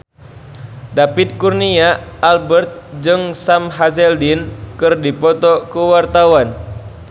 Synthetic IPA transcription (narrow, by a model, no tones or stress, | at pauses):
dapit̪̚kurniaːlbɛrt̪̚d͡ʒɨŋsamɦasɛldinkɨrdipɔt̪ɔkuwart̪awan